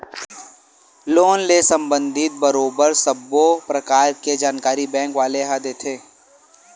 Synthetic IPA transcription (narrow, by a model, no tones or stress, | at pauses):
loːnlesə̃mbə̃nd̪ʱɪt̪̚bəɾoːbəɾsəbopɾɐkaːɾked͡ʒaːnkaːɾibɛ̃ːŋkʋaːleɦad̪eːt̪ʰeː